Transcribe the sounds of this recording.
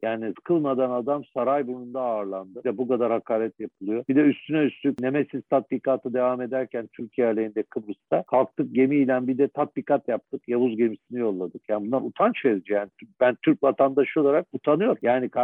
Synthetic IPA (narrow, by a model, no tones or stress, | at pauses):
jaːnikʰɯlˠmad̪anad̪amsaɾajbunund̪aːɾlˠand̪ɯd̪ɛbukad̪aɾhakʰaːɾɛt̪japʰɯlˠɯjo̞b̥id̪ɛyst̪ʰynɛyst̪ʰycnemesiz̥t̪ʰat̪̚bikaːt̪ʰɯd̪e̞vame̞d̪æɾcʰænt̪ʰyɾcʰijæɾlʲejind̪ɛkʰɯbɾɯst̪ʰakʰalˠk̚t̪ʰɯk̚ɟe̞miːlʲænbid̪ɛt̪ʰat̪̚bikʰat̪jap̚t̪ʰɯkjavuzɟe̞misinijo̞lˠːad̪ɯkjaːnibunˠaɾut̪ʰant͡ʃʰeɾd͡ʒijaːnit̪ʰyb̥ænt̪ʰyɾcvat̪ʰand̪aʃɯo̞lˠaɾak̚ut̪ʰanɯjo̞ɾjaːnikʰa